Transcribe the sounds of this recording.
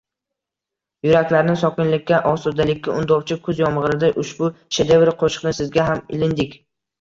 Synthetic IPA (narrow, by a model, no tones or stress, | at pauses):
jʊɾakʲlaɾɪnɪsɒkʲɪnlɪkʲːaʔɒsʊd̪alɪkʲːaʊnd̪ɒwt͡ʃʰɪkʰɵzjɒmʁɨɾɪd̪aʔʊʃbʊʃed̪evɾqʰoʃɨ̥qnɪsɪzɡʲaɦamɪ̰lɪnd̪ɪkʲ